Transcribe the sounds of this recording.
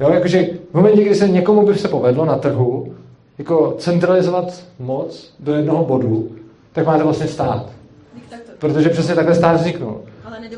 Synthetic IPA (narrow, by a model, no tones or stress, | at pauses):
jo̞ːjako̞ʒɛvmo̞mɛncɛɡdɪsɛɲɛkomubɪsɛpo̞vɛdlonat̪r̩ɦu | jako̞t͡sɛnt̪ɾalɪzovat̪mo̞t͡sdojɛdnoɦobo̞du | t̪akmaːt̪ɛvlastɲɛst̪aːt̪ | pɾot̪oʒɛpr̥ɛsɲɛt̪aklɛst̪aːd̪vzɲɪknṵl